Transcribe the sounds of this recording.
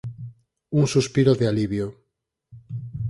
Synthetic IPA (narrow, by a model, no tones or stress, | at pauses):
uŋsuspiɾoðealiβjo